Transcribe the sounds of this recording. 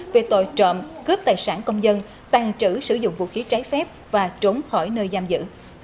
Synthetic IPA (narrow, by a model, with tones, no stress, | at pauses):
ve˨˩t̪o˧˨jt͡ɕɔ̰˧˨mkɨ˦˥əp̚t̪aː˨˩jsaː˧˩nkə˧wŋ͡mzə˧n | t̪aː˨˩ŋt͡ɕɨ˧˩sɨ˧˩zʊ̰˧˨ŋ͡mvṵ˧˨xi˨˦t͡ɕaː˨˦jfɛ˦˥p̚v̥aː˨˩t͡ɕo˨˦nxɔ˧˩jnəː˧jzaː˧mzɨ̰˧˥